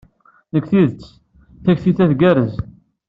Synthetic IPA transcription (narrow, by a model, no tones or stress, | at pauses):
nəkːθiðət͡sː | θæçθiθæθɡæɾəz